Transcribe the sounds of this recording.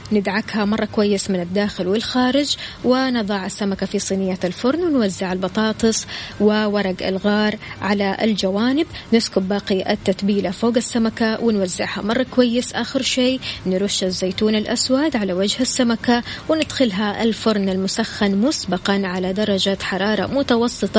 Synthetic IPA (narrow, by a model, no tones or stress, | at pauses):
nɪd̪ʕakhamɑrˤːɑkwajːɪsmɪnɪd̪ːaːxɪlwɪlxaːɾɪd͡ʒwɪnɨðˤɑːʕasːamakafisˤiːnɪjːaɪlfʊɾˤnwɪnwazːɪʕalbɑt̪ˤɑːt̪ˤɨsˤwɪwɑɾˤɑɡɪ̰lɣɑːɾʕalaʔɪ̰ld͡ʒawaːnɪbnɪskʊbbaːqiʔat̪ːat̪biːlafoːɡasːamakawʔɪnwazːɪʕha̰mɑrˤːɑkwajːɪsʔaːxɪɾʃeːnɾʊʃːazːeːt̪uːnɪlʔaswad̪ʕalawad͡ʒhasːamakawɪnɪd̪xɪlɦaʔɪ̰lfʊɾˤnalmʊsaxːanmʊsbɑqɑnʕalad̪ɑɾˤɑd͡ʒat̪ħɑɾˤɑːɾˤɑ̰mʊt̪ɑwɑsˤːɨt̪ˤɑ